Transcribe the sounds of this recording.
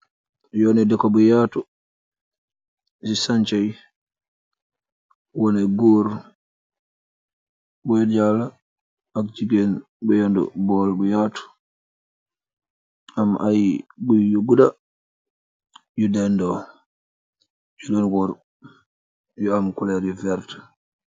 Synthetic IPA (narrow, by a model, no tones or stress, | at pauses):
jɔnɛdɛkɔbɔjaːtu | sisaɲt͡ʃaj | wɔnɛɡoːɾ | bɔjd͡ʒala | ak̚d͡ʒiɡɛn | bɛjandɔ̰bɔːlbujaːtu̥ | amʔajbujuɡuda | judɛndɔ | d͡ʒulonɡɔɾ | juamkulɛɾuvɛɾt